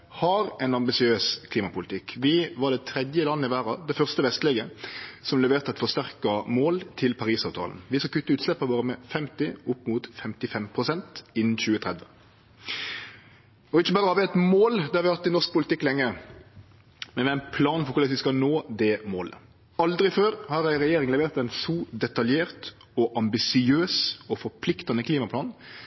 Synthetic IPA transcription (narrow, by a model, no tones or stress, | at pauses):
hɑɾɛɪnɑmbɪsɪøːskʰliːmɑpʊlɪt̪ʰɪkːʋɪʋɑɖ̪ɛt̪ʰɾɛd̪jəlɑnːəɪʋæːɾɑd̪ɛɪfœʁst̪əʋɛst̪əleːɡəsɔmlɛʋeːʁt̪əɑt̪fɔʁst̪æʁkɑmoːlt̪ʰɪlpʰɑɾiːsɑːʋt̪ʰɑ̰ːln̩ʋɪskɑkʰʉt̪ːəʉːt̪slɛpːɑʋoːɾəmɛfɛmt̪ɪʊpːmut̪fɛmt̪ɪfɛmpʰɾʊsɛnt̪ɪnːn̩çʉːət̪ʰʁɛd̪ʋə | ɔɪçːəbɑːɾəhɑɾʋɪɛt̪moːld̪ɛhɑʋɪhɑt̪ːɪnɔʁsk̚pʊlɪt̪ɪkːlɛŋːə | mɛnʋɛæɪnpʰlɑːnfɔɾkʊlɛsʋɪskɑnoːd̪ɛmo̰ːlə̰ | ɑld̪ɾɪɪføːɾhɑɾæɪɾɛjeːɾɪŋlɛʋeːɾt̪æɪnsud̪ɛt̪ɑljeːɾt̪ | ɔʔɑmbɪsɪøːsɔfɔɾpʰlɪkt̪ɑnəkʰliːmɑpʰlɑːn